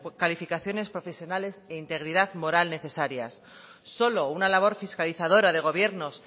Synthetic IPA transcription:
kalifikaθjo̞ne̞spɾo̞fe̞sjo̞nale̞seint̪e̞ɣ̞ɾiðaðmo̞ɾalne̞θe̞saɾjasː | o̞lo̞unalaβ̞o̞ɾfiskaliθaðo̞ɾaðe̞ɣ̞o̞β̞je̞ɾno̞s

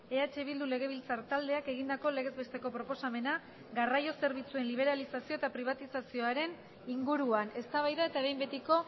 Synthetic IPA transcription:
e̞at͡ʃe̞βild̪ule̞ɣ̞e̞β̞ilt͡saɾt̪ald̪e̞ake̞ɣ̞ind̪ako̞le̞ɣ̞e̞zβe̞st̪e̞ko̞pɾo̞po̞same̞na | ɡarajo̞se̞ɾβ̞it͡sue̞nliβ̞e̞ɾalisasio̞e̞t̪apɾiβ̞at̪isasio̞aɾe̞n | iŋɡuɾuane̞st̪aβajðae̞t̪aβejmbe̞t̪iko̞

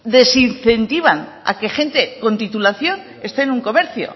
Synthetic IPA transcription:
d̪e̞sinθe̞nt̪iβ̞ana̰ke̞xe̞nt̪e̞ko̞nt̪it̪ulaθjo̞n | e̞st̪e̞ːnuŋko̞meɾθjo̞̰

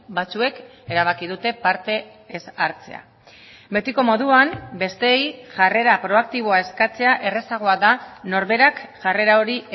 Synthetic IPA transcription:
bat͡sue̞k | e̞ɾaβ̞akið̞ut̪e̞paɾt̪e̞ː | saɾt͡se̞̰a̰ | be̞t̪iko̞mo̞ðuambe̞st̪e̞jʝare̞ɾapɾo̞ak̚t̪iβ̞o̞ae̞skat͡se̞aʔe̞re̞saɣ̞o̞aðano̞ɾβe̞ɾakʝare̞ɾao̞ɾi

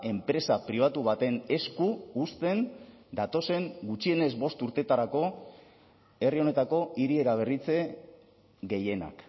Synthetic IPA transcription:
e̞mpɾe̞sapɾiβ̞at̪uβ̞at̪e̞ne̞skuust̪e̞nd̪at̪o̞se̞ŋɡut͡ʃie̞ne̞zbo̞st̪uɾt̪e̞t̪aɾako̞ | e̞rio̞ne̞t̪ako̞iɾie̞ɾaβ̞e̞rit͡se̞ | ɡe̞je̞na̰k

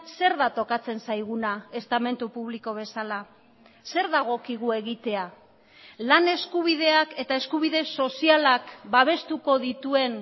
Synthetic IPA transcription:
se̞ɾðat̪o̞kat͡se̞nsajɣ̞unae̞st̪ame̞nt̪upuβ̞liko̞β̞e̞sala | se̞ɾðaɣ̞o̞kiɣ̞ue̞ɣit̪e̞a | lane̞skuβ̞ið̞e̞ake̞t̪ae̞skuβ̞iðe̞so̞sialakbaβ̞e̞st̪uko̞ðit̪ue̞n

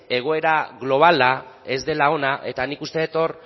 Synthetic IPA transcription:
e̞ɣ̞o̞e̞ɾaɣlo̞β̞alae̞zd̪e̞lao̞naʔe̞t̪anikust̪e̞et̪o̞r

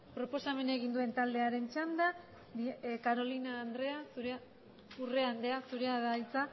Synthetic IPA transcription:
pɾo̞po̞same̞ne̞ɣ̞ind̪ue̞nt̪ald̪e̞aɾe̞nt͡ʃand̪a | kaɾo̞linaːnd̪ɾe̞asuɾ | ure̞and̪e̞asuɾeaðajt͡sa

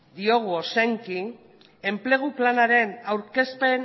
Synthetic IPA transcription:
d̪io̞ɣ̞uosaŋki | e̞mple̞ɣ̞uplanaɾe̞nawɾke̞spe̞n

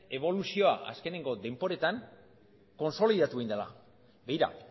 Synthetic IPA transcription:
e̞β̞o̞lusio̞a̰ʔa̰ske̞ne̞ŋɡo̞d̪e̞mpo̞ɾe̞t̪aŋ | ko̞nso̞liðat̪ueind̪ela̰ | be̞iɾa̰

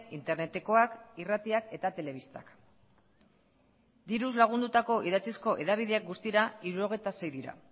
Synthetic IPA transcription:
int̪e̞ɾne̞t̪e̞ko̞akirat̪iake̞t̪at̪e̞le̞β̞ist̪a̰k | d̪iɾuzlaɣ̞und̪ut̪ako̞ʔiðat͡sisko̞ʔe̞ðaβ̞iðeak̚ɡust̪iɾaiɾuo̞ɣ̞e̞jt̪ase̞jðiɾa̰

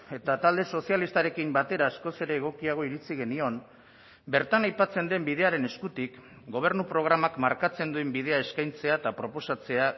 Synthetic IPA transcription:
e̞t̪at̪ald̪e̞so̞sialist̪aɾe̞kimbat̪e̞ɾaːsko̞se̞ɾe̞ːɣ̞o̞kiaɣ̞o̞iɾit͡siɣ̞e̞nio̞m | be̞ɾt̪anajpat͡se̞nd̪e̞mbið̞e̞aɾe̞ne̞skut̪ik | ɡo̞β̞e̞ɾnupɾo̞ɣ̞ɾamakmaɾkat͡se̞nd̪uembið̞e̞ae̞skajnt͡se̞at̪apɾo̞po̞sat͡se̞a

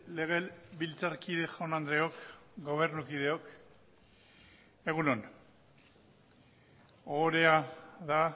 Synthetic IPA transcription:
le̞ɣ̞e̞lbilt͡saɾkiðe̞xonand̪ɾe̞okɡo̞β̞e̞ɾnukið̞e̞o̞k | e̞ɣunon | oɾe̞aða

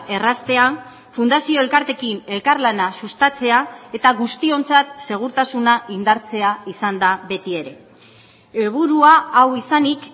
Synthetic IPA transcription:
e̞rast̪e̞a | fund̪asio̞elkaɾt̪e̞kine̞lkaɾlanasust̪at͡se̞ae̞t̪aɣust̪io̞nt͡sat̪se̞ɣ̞uɾt̪asunaind̪aɾt͡se̞aisand̪aβe̞t̪ie̞ɾe̞ | eβuɾuaːwisanik

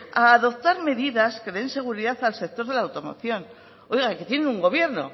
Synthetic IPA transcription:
aːðo̞p̚t̪aɾme̞ðiðaskeense̞ɣ̞uɾiðaθalse̞k̚t̪o̞ɾð̞e̞laːwt̪o̞mo̞̰θjo̞n | ojɣake̞t̪je̞nenuŋɡo̞β̞je̞ɾno̞̰

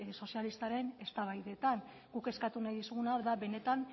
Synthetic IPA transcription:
so̞sialist̪aɾe̞ne̞st̪aβajðe̞t̪an | ɡuke̞skat̪unajðisuɣunaoɾðaβe̞ne̞t̪an

